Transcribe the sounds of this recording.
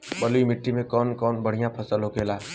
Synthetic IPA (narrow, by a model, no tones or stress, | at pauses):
bəluimɪʈːimẽkɔːnkɔːnbəɽ̤ijãpʰəsəlɦokeːlaː